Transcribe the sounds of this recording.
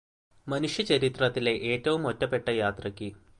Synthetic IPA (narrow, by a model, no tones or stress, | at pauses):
mɐnuʂjɐt͡ɕɐɾit̪rɐt̪ːile̞ʔeːtːɐʋumotːɐpːe̞ʈːɐjaːt̪rɐkʲːɨ